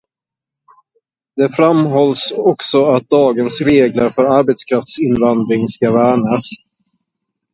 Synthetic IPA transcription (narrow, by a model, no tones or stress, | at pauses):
d̪̥ɛfɾamɦɔlːsɔksɔat̪̚d̪ɑːɡənsɾeːɡlaɾfœɾaɾbɛt̪skʰɾaft̪sɪnvand̪ɾɪŋskavæːɳas